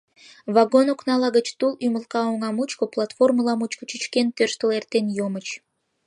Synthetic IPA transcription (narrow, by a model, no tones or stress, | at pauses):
βɑɡonoknɑlɑɣət͡ɕt̪ulyməlkɑoŋɑmut͡ɕkŏplˠɑt̪forməlɑmut͡ɕkŏ̥t͡ɕɨt͡ɕkent̪ørʃt̪əlert̪enjomət͡ɕ